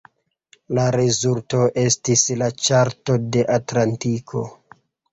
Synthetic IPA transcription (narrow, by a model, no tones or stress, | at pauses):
laɾezulto̞ʔe̞stislat͡ʃaɾto̞de̞ʔatlantikʰo̞̰